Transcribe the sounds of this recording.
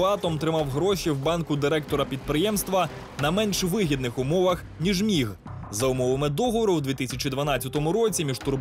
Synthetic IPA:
ɑt̪ɔmt̪ɾɪmɑwɦɾɔʃiwbɑnkʊd̪ɪɾɛk̚t̪ɔɾɐpʲid̪̚pɾɪjɛmst̪ʋɐ | nɐmɛnʃʋɪɦʲid̪nɪxʊmɔʋɐx | nʲiʒmʲiɦzɐʊmɔʋɐmɪd̪ɔɦɔʋɔɾʊwd̪ʲʋʲit̪ɪsʲɐt͡ʃid̪ʋɐnɑt͡sʲːɐt̪ɔmʊɾɔt͡sʲimʲiʒt̪ʊr

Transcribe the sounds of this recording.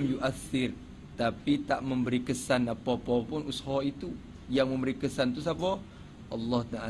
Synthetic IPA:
mjuʔaθːɪr | t̪apit̪aʔməmbəɾikəsanapɔpɔpʊnushɔit̪u | jaŋməmbəɾikəsant̪us̬apɔ | ʔɑlːɑht̪aa

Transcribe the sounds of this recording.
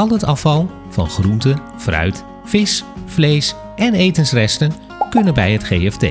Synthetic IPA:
ɑlˠɦətɑfɑlˠ | v̥ɑ̰nχruntə | frœ̰ɥt | fɪsflejs | ɛnejtənsrɛstən | kɵnənbɛjɦətχejɛftḛ

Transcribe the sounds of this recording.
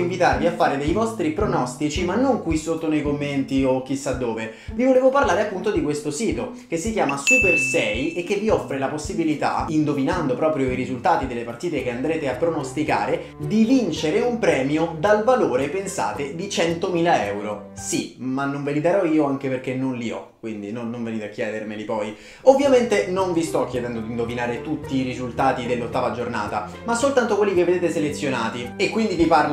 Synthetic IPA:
iɱvit̪arviafːaːɾed̪ejvɔst̪ɾipɾonɔst̪it͡ʃimanːoŋkwisːot̪ːonejkomːent̪iok̟ːisːad̪ːoːve | vivoleːvoparlaːɾeapːunt̪od̪ikwest̪osiːt̪o | k̟esːikjaːmasupersɛjekːevːiɔfːɾelaposːibilit̪a̰ind̪ovinand̪opɾɔːpɾjoiɾizult̪aːt̪id̪elːepart̪iːt̪ekeand̪ɾeːt̪eapːɾonost̪ika̰ːɾe | d̪ivint͡ʃeɾeumpɾɛːmjod̪alvaloːɾepensa̰ːt̪ed̪it͡ʃɛnt̪omiːlaɛwɾosimanːoɱvelid̪aɾɔiːoaŋk̟eperk̟enonliɔ̰kːwind̪inonːoɱveniːt̪eak̟jɛːd̪ermelipɔj | ovːjament̪enoɱvist̪ɔk̟ːjed̪ɛnd̪od̪ind̪ovinaːɾet̪ut̪ːiːɾizult̪aːt̪id̪elːot̪ːaːvad͡ʒorna̰ːt̪a | masːolt̪ant̪okwelːikevːed̪eːt̪eselet̪sːjonaːt̪iekːwind̪iviparl

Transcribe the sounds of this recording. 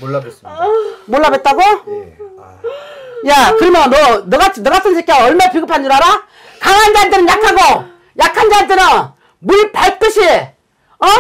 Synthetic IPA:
moɭːabet̚t͈aɡo | jakɯɾɯmjʌnʌnɯɣat͡ɕʰinɯɣas͈ʰɯnɕʰek͈ʰeʌɭmapiɡɯpʰand͡ʑuɾɦaɾa | kaŋand͡ʑadɯɾɯnjakʰaɡo | jakʰand͡ʑadɯɾɯn | muɭpaɭt͈ɯɕʰi | ʌ

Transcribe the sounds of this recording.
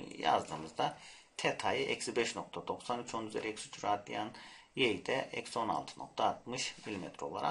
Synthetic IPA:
ja̰zd̪ɯ̰ːmɯzd̪a | t̪ʰɛt̪ʰajiʔɛ̰csibɛʃno̞k̚t̪ʰad̪o̞ksanyt͡ʃʰo̞nyzḛɾɛɛksy̥t͡ʃʰyɾaːt̪lḭjanjejd̪ɛʔɛcso̞na̰lˠt̪ʰɯ̥no̞̰k̚t̪ʰaːt̪mɯʃmilʲimɛt̪ʰɾo̞lˠa̰ɾa̰

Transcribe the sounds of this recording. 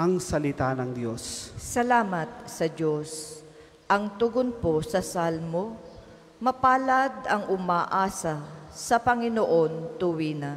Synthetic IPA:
ʔɐŋsɐlɪt̪anɐŋd̪jossɐlaːmɐt̪̚sɐd͡ʒo̞s | ʔɐŋt̪ʊɡonposɐsalmo | mɐpaːlad̪ɐŋʊmaʔaːsɐsɐpɐŋɪnoʔo̞nt̪ʊwinɐ

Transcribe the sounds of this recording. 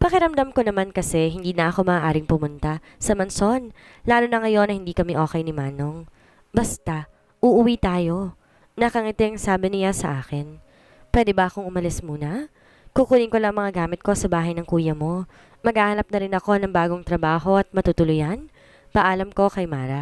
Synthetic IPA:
pɐkɪɾɐmd̪amko̞nɐmankɐsɛɦɪnd̪iːnɐʔɐko̞mɐʔːʔaːɾɪŋpʊmʊnt̪a | sɐmɐnso̞n | laːlo̞nɐŋɐjo̞nːɐhɪnd̪iːkɐmɛʔo̞ːkɛjnɪmaːno̞ŋ | bɐst̪a | ʔʊʔʊwiːt̪aːjo̞ | nɐkɐŋɪt̪ɪɐŋsaːbɪnɪjasɐ̰ʔaːkɪn | pwɛːd̪ɛbɐʔɐko̞ŋʔʊmɐlɪsmuːnɐ | kukuːlɪŋkolɐɐŋmɐŋaɡaːmɪt̪̚ko̞sɐbaːɦɐjnɐŋkuːjɐmo̞ | mɐɡaːhanɐp̚nɐɾɪnɐko̞nɐŋbaːɡo̞ŋt̪ɾɐbaːɦo̞ʔɐt̪̚mɐt̪ut̪ʊlʊjan | pɐʔaːlɐmko̞kɐjmaːɾɐ

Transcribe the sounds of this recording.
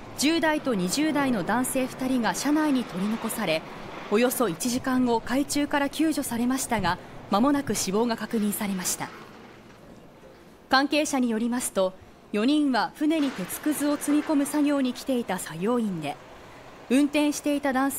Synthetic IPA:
d͡ʑɨːd̪ait̪o̞ɲ̟iʑɨːd̪aino̞d̪ãɰ̃se̞ːɸɯ̥t̪aɾʲiɡaɕanaiɲ̟it̪o̞ɾʲino̞ko̞saɾe̞ | o̞jo̞so̞it͡ɕiʑikãŋɡo̞kait͡ɕɨːkaɾakʲɨːʑo̞saɾe̞maɕi̥t̪aɡamamo̞nakɯ̟ɕibo̞ːɡakakɯ̟ɲ̟ĩɰ̃saɾe̞maɕi̥t̪a | kãŋke̞ːɕaɲ̟ijo̞ɾʲimasɨ̥t̪o̞ | jo̞ɲ̟ĩɰ̃βaɸɯ̟ne̞ɲ̟it̪e̞t͡sɨ̥kɯ̟zɨo̞t͡sɨmʲiko̞mɯ̟saɡʲo̞ːɲ̟ikʲi̥t̪e̞it̪asajo̞ːĩnd̪e̞ | ɯ̟̃nt̪ẽɰ̃ɕi̥t̪e̞it̪ad̪ãɰ̃s

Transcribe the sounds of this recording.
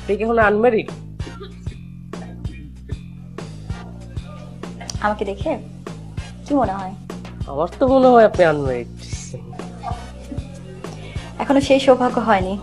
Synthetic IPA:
ʈʰikɛkʰonanmeɾiʈ | amaked̪ekʰe | kimoneɦɔe | a̰maɾt̪omoneɦɔeapnianmeɾi | ɛkʰonoʃejʃobʱaɡoɦɔeni

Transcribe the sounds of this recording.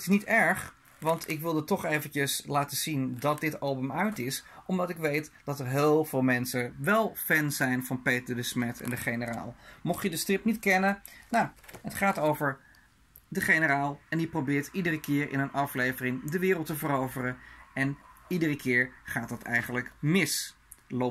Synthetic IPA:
tɪsnitɛɹχ | ʋɑntɪkʋɪlˠdətɔχejvəncəslaːtəz̥indɑt̚dɪtɑlˠbəmœɥtɪsɔmdɑtɪkʋejtd̥ɑtəɹɦɪːlˠv̥ɪːlˠmɛnsəʋɛlˠfɛnzɛjnvɑnpejtədəsmɛtʰɛ̰ndəχejnəra̰ːlˠmɔχjədəstrɪp̚nitkɛnənaɦətχaːtowvəɹ | dəχejnəɾaːlˠɛniprowbɪːɹtidərəkɪːɹʔɪ̰nənʔɑflejvərɪŋdəʋɪːrəlˠtəvəɾowvərəɛnidərəkʰɪːɹχaːt̚dɑtɛ̰jχənləkmɪs | lo

